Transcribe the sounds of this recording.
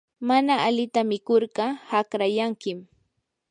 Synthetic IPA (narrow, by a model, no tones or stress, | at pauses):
manaːlɪt̪amɪkoɾɢɑhakɾajaŋkɪm